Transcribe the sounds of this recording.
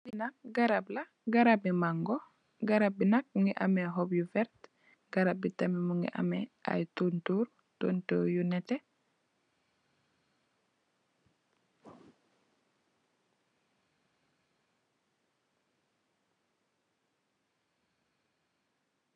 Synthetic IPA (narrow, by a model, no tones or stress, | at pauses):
binak̚ɡaɾabla | ɡaɾabimaŋɡo | ɡaɾab̚binak̚muŋɡiʔa̰meɦobjufɛɾt | ɡ̥aɾab̚itamimuŋɡḭʔa̰mɛa̰jtuntuɾ | tontoːɾjunɛte